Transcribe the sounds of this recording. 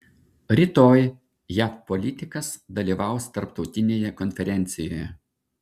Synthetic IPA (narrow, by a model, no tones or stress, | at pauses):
ɾʲɪt̪oːj | jæfpɔlʲɪt̪ʲɪkɐsd̪ɐlʲiːˑʋɑˑʊst̪ɐɾpt̪ɒʊt̪ʲɪnʲeːjɛkɔnʲfʲɛɾʲɛˑnʲt̪sʲɪjoːjɛ